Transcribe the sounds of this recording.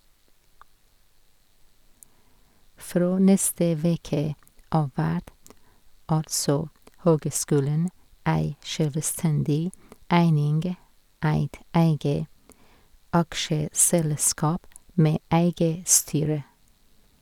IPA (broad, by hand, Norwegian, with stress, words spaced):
ˈfɾoː ˈnɛstə ˈʋeːkə ˈɑː ˈʋæʈ ˈɑlsɔ ˈhøːɡəˌskʉːlɳ̩ ˈæɪ ˈʃøːlʋəˌstɛndɪ ˈæɪnɪnɡ ˈæɪt ˈæɪɡə ˈɑkʃəsɛlˌskɑːp ˈmeː ˈæɪɡə ˈstyːɹə